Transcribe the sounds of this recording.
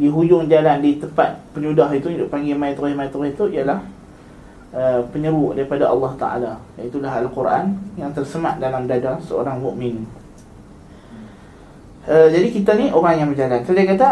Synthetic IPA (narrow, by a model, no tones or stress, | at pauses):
diɦud͡ʒʊŋd͡ʒalandit̪əmpat̪̚pəɲudaɦit̪uidʊʔpaŋɡimait̪oɾɪhmajt̪oɾɪhit̪uijalah | ʔəpəɲəɾudaɾipadaʔɑ̰lːɑht̪a̰ʔa̰laait̪ulaɦalkurʔa̰njaŋt̪ərsəmaʔdalamdadasəo̰ɾaŋmuʔmɪn | ʔəd͡ʒadikit̪aniʔoɾaŋjaŋbəd͡ʒalansadiakat̪a